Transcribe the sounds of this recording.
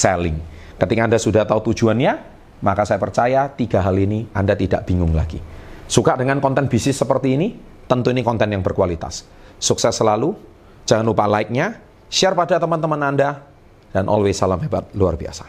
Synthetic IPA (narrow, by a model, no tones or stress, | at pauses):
sɛlɪ̰ŋkət̪ikaːndasudaht̪aut̪u̥d͡ʒuanɲa | makasajapərt͡ʃajat̪iɡaɦaliniandat̪idaʔb̥iŋʊŋlaɡḭsukaʔdəŋankɔnt̪ɛnb̥isɪsːəpərt̪iːni | t̪ənt̪uinikɔnt̪ɛnjaŋbərkualit̪a̰sː | uksɛsːəlalu | d͡ʒ̥aŋanupalaɪk̚ɲa | ʃiarpadat̪əmant̪əmənanda | d̥anʔɔ̰lwesalamɦeba̰t̪̚lua̰rbia̰sḁ